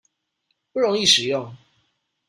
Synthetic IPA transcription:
pu˥˩ɻo˧˦ŋi˥˨˩ʂɻ̩˨˩jʊ˥˨ŋ

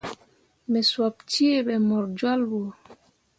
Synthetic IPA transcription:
mɛ˨swa˨p̚ti˦e˦ɓɛ˨mɔ˨ɾd͡ʒwa˦lbo˨

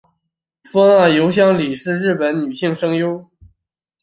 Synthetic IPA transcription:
fɤ˥ŋa˥˩jo˧˥ʊɕ̬jɑ˥ŋli˨˩ʂɻ̩˥˧ɻɻ̩˥˩pə˧˥nny˨˩ɕi˥˩ŋʂɤ˥ŋjo˥ʊ

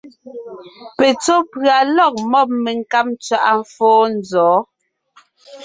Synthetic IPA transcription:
pe˨t͡so˦pɰa˨lɔ˦˨k̚mɔ˦˨p̚me˨ŋka˦p̚t͡sɥa˦˨ʔa˦ɱ˦fɔː˦n˦d͡zɔː˨˦

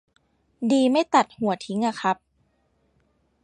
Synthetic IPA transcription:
diː˧ma˥˩jt̪a˨˩t̪̚hu˨˩˦ɐt̪ʰi˦ŋʔa˧˩xʰa˦˥p̚

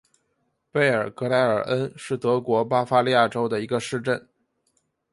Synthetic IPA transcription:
pe˥˩ɪə˞˨˩kɤ˧˥la˧˥ɪə˞˨˩ʔə˥nʂɻ̩˥˩t̪ɤ˧˥kwɔ˧˥pa˥fa˥li˥˧ja˥˩ʈ͡ʂo˥ʊd̪ə˨i˧˥ɡə˧ʂɻ̩˥˧ʈ͡ʂə˥˩n

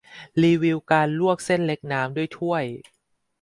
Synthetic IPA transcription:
liː˧wi˧wkaː˧nlu˥˩ək̚se˥˩nle˦˥k̚naː˦˥mdu˥˩əjt̪ʰu˥˩əj

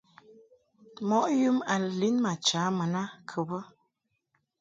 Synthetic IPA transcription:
mɔ˦ʔju˦ma˨lli˦nma˨t͡ʃa˨˦mə˨na˦kʰə˨bə˦

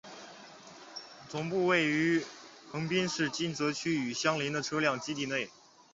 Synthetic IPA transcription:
t͡sʊ˨˩ŋpu˥˧we˥˩ɪy˧˥xʰɤ˧˥ŋpi˥nʂɻ̩˥˩t͡ɕi˥˩nt͡sɤ˧˥t͡ɕʰy˥y˨˩ɕjɑ˥ŋli˧˥nd̪ə˨˧ʈ͡ʂʰɤ˥ljɑ˥˩ŋt͡ɕi˥t̪̬i˥˧nwe˥˩ɪ

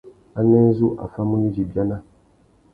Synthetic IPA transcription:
a˦nɛ˦zu˦ʔa̰˨fa˦mũ˦ni˦d͡ʒi˨bja˦na˦

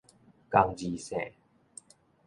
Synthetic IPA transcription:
ka˧ŋd͡ʑi˧sɛ̰̃˨˩˨

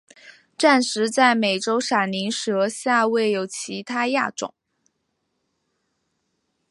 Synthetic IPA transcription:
ʈ͡ʂa˥˩nʂɻ̩˧˥t͡sa˥˩ɪme˨˩ɪʈ͡ʂo˥ʊʂa˨˩ni˧˥nʂɤ˧˥ɕja˥˧we˥˩ɪjo˨˩ʊt͡ɕʰi˧˥t̪ʰa˥ja̰˥˩ʈ͡ʂʊ̰˨˩˦ŋ

